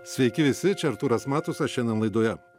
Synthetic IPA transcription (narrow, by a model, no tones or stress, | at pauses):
sʲʋʲɛɪkʲɪʋʲɪsʲɪt͡ʃʲɛɐɾt̪uːɾɐsmɑːt̪ʊsɐʃʲɛnd̪ʲɛnlˠɐɪd̪oːjɛ